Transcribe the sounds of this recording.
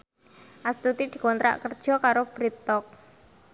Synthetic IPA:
ʔast̪ut̪id̪̥i̤kɔnt̪ɾa̰ʔkərd̥ʒ̥ɔ̤kaɾob̥ɾit̪ɔk̚

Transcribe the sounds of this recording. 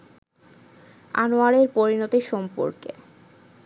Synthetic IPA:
a̰noaɾeɾpoɾinot̪iʃɔmpo̰ɾkḛ

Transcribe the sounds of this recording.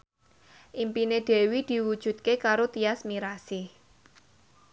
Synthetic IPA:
ʔimpined̪̥e̤wid̪̥i̤wud̥ʒ̥ṳt̪̚kekaɾot̪iasmiɾasɪh

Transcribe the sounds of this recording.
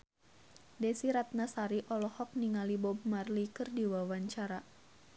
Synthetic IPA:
dɛsiɾat̪̚nasaɾiʔɔlɔhɔk̚niŋalibɔb̚marlikɨrdiwawaɲt͡ʃaɾa

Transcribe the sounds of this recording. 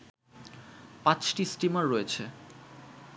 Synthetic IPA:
pãt͡ɕʈisʈimaɾːoet͡ɕʰe

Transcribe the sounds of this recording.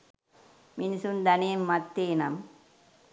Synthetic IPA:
minsund̪ɐneːmːɐt̪ːeːnɐm

